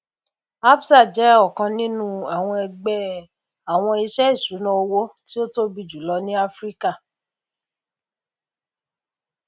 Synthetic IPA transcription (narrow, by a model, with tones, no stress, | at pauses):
a˦bsa˦˨d͡ʒɛ˨˦ɔ˦˨kã˧nĩ˦nũ˦a˨w̃ɔ̃˧ɛ˧ɡ͡bɛ˧˦ | a˨w̃ɔ̃˧i˧ʃɛ˦i˦˨su˨˦nã˦o˧wo˦ti˦o˦to˦bi˧˨d͡ʒu˨lɔ˧nĩ˦a˦fɾi˦ka˦˨